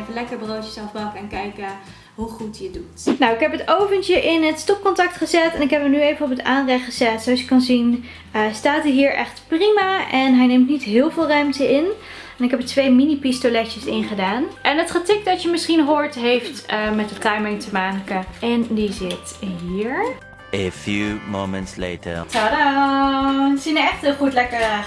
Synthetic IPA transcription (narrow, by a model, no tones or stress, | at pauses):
kəlɛkəɹbrowtəsɛfbɑkɛnkɛjkə | ɦuχutəədutnawɪkɦɛpɦətowvənt͡ʃəʔɪnətstɔp̚kɔntɑk̚tχəzɛtɛnɪkɦɛpənyejvənɔpəta̰ːnrɛχəz̥ɛtsowɑsɪ̥kːɑnzin | əstaːtiɦiːɹʔɛ̰χtprimaʔɛnɦɛjnemtnitɦɪːlˠvɪːlˠrœɥmtəɪn | ɛnɪkɦɛpətʋejminipistolɛt͡ʃəsɪnχədaːnʔɛnətχətɪk̚dɑtjəmɪsχinɦʊːɹtɦejftəmɛtətajmɪŋtəmaːkəɛndizɪtɦiːɹ | əfjumo̰mə̰̃ntslḛːtə̰tado | sinəɛχtχutlɛkə